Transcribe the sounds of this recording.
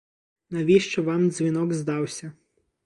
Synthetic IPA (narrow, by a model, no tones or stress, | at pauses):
nɐʋʲiʃt͡ʃɔʋɑmzʲʋʲinɔɡzd̪ɑwsʲɐ